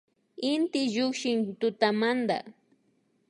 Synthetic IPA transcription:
ɪnt̪ɪʒʊkʃɪŋt̪ʊt̪amand̪a̰

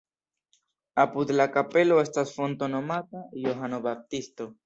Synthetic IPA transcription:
apud̪lakape̞lo̞e̞stasfo̞nto̞no̞matajoɦanobap̚tisto̞

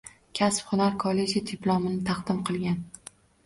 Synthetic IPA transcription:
kʲʰasphʊnaɾkʰɒle̞d͡ʒɪt̪ʰɪplˠɒmɪnɪt̪ʰɑqd̪̥ɪmqʰɨlˠɡʲan

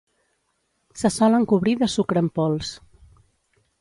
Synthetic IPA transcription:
səsɔləŋkuβɾiðəsukɾəmpɔlˠs

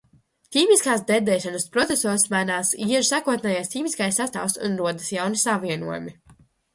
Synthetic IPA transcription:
t̪ʲiːmiskaːsd̪ɛd̪ɛːʃanɐspɾɔt̪sɛsɔːɾsmajnaːsiɛʒsaːkuɔt̪nɛːjajst̪ʲiːmiskajsːast̪a̰wsṵnɾuɔd̪ɐsjawnisaviɛnṵɔjṵmi

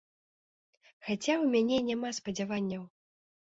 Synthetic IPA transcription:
xat͡sʲawmʲanʲɛnʲamaspɐd͡zʲavanʲːɐw

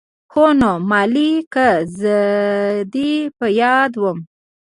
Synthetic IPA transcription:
xonomɑlikəzə | d̪ipəjɑd̪wəm

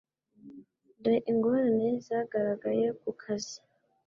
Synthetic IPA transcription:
ndeʔiŋɡo̞ɾanezaːɡaɾaɡaje̞kukʰazi

